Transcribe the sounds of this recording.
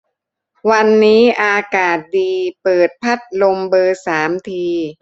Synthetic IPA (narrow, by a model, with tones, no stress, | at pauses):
wa˧nːiː˦˥ʔaː˧kaː˨˩t̪̚diː˧pɤː˨˩t̪̚pʰa˦˥˩t̪̚lo˧mbɤː˧saː˩˦mt̪ʰiː˧